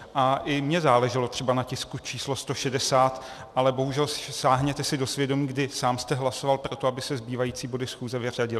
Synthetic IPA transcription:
ʔaʔɪmɲɛzaːlɛʒɪlo̞t̪r̥ɛbanacɪskut͡ʃʰiːslo̞st̪o̞ʃɛdɛsaːt̪ | ʔalɛbo̞ɦuʒɛlssaːɦɲɛt̪ɛsɪdo̞svjɛdo̞miːɡdɪsaːmst̪ɛɦlaso̞valpɾo̞t̪o̞abɪsɛzbiːvajiːt͡siːbo̞dɪsxuːzɛvɪr̝aɟɪlɪ

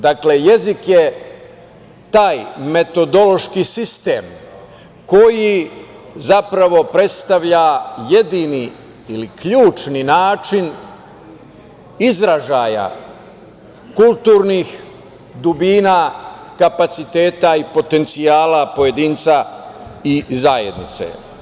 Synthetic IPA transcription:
d̪akle̞je̞zikje | t̪aːjme̞t̪o̞d̪o̞lo̞ʃkisist̪ḛːm | ko̞ji | zapɾaʋo̞pɾe̞t̪st̪aʋʎaje̞d̪ini | ilikʎuːt͡ʃninaːt͡ʃin | izɾaʒaːja̰ | kulˠt̪uːɾniːx | d̪ubiːnaːkapat̪sit̪e̞ːt̪aipo̞t̪e̞nt̪siaːlapo̞je̞d̪iːnt̪sa | izajed̪nit̪sḛ

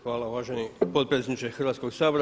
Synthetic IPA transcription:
ʋaːlaʋaːʒɛniːpɔt̪pɾɛsɛɲit͡ʃɛxɔrʋaːt͡skɔsaːbɾ

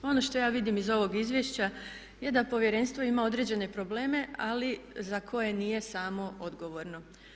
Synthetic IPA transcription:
o̞no̞ʃt̪o̞jaːʋid̪imizo̞ʋo̞ɡizʋjeʃt͡ɕa | je̞d̪apo̞ʋje̞ɾe̞nst̪ʋo̞imao̞d̪ɾe̞d͡ʑe̞ne̞pɾo̞ble̞ːme̞alizakʰo̞je̞niːje̞saːmo̞o̞d̪ɡo̞ʋo̞ːɾno̞

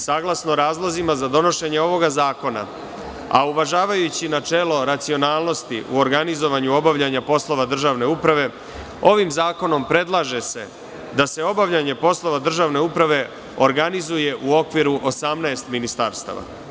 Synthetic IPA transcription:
saɡlasnoɾaːzlˠozimazad̪o̞no̞ʃe̞ɲeo̞ʋo̞ɡazaːko̞na̰ | a̰uʋaʒaːʋajut͡ɕinat͡ʃe̞ːlo̞ɾat̪sio̞naːlˠno̞st̪iʔuo̞ɾɡanizo̞ʋaɲuo̞baʋʎaɲapo̞slˠo̞ʋad̪r̩ʒaːʋne̞upɾaʋe̞ | o̞ʋimzaːko̞no̞mpɾe̞d̪lˠaʒe̞se̞ | d̪ase̞o̞baʋʎaɲe̞po̞slˠo̞ʋad̪r̩ʒaːʋne̞upɾaʋe̞ | o̞ɾɡanizuje̞ʔuo̞kʋiɾuʔo̞samnaest̪minist̪aɾst̪a̰ːʋa̰

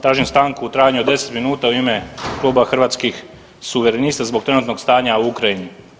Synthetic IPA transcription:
t̪ɾaːʒimst̪aːŋkuːt̪ɾaːjaɲud̪ese̥t̪minuːt̪auiːmeklˠuːbaxr̩ʋaːt̪skix | suʋeɾeniːst̪azbok̚t̪ɾenut̪nokst̪aːɲauukɾajini

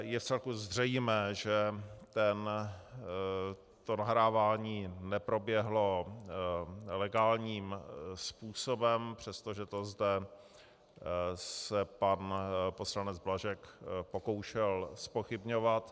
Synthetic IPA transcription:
jɛft͡sɛlkuzr̝ɛjmɛːʒɛt̪ɛn | t̪onaɦɾaːvaːɲiːnɛpɾo̞bjɛɦlo̞ | lɛɡaːlɲiːmspuːsobɛmpr̝̥ɛst̪oʒɛt̪ozdɛ | sɛpanpo̞slanɛd͡zblaʒɛkpoko̞wʃɛlspoxɪbɲovat̪

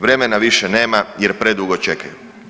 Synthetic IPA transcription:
ʋɾe̞menaʋiʃene̞ːmajeɾpɾe̞d̪uɡot͡ʃe̞kaju

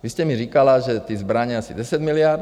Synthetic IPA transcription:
ʋiscɛmiɾikalaʒɛt̪iːzbɾaɲɛasḭɟɛsaɟmilɪaːɾ

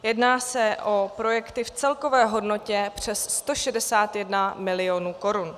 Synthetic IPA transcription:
jɛdnaːsɛʔo̞pɾo̞jɛkt̪ɪft͡sɛlko̞vɛːɦo̞dno̞cɛpr̝̥ɛsːt̪o̞ʃɛdɛsaːt̪jɛdnamɪlɪo̞nuːko̞ɾun

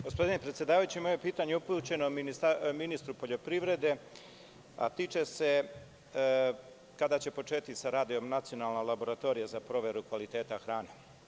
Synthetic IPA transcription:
ɡo̞spo̞d̪inepɾet̪sʲjed̪aːʋajut͡ɕimojepiːt̪aɲeuput͡ɕe̞nominist̪minist̪ɾupo̞ʎo̞pɾiʋɾe̞d̪e̞ | a̰t̪iːt͡ʃe̞se̞ | kad̪at͡ɕe̞po̞t͡ʂe̞ːt̪isaɾaːd̪io̞mnat̪sio̞nalˠnalabo̞ɾat̪o̞ːɾijazapɾo̞ʋe̞ɾukʋalit̪e̞ːt̪axɾaːne

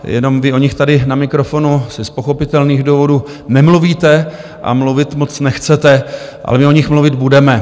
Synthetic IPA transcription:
jɛ̰no̞mvɪʔo̞ɲɪxt̪adɪnamɪkɾo̞fo̞nusɪspo̞xo̞pɪt̪ɛlniːɣduːvo̞duː | nɛmluviːt̪ɛ | ʔa̰mluvɪt̪mo̞t͡snɛxt͡sɛt̪ɛʔa̰lɛmɪoɲɪxmluvɪd̪budɛmɛ

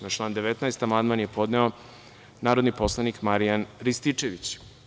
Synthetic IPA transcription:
nat͡ʃlˠaːnd̪e̞ʋet̪naest̪amand̪maːnjepo̞d̪neo | naːɾod̪nipo̞slˠanikmaɾijanɾist̪it͡ʂeʋit͡ɕ

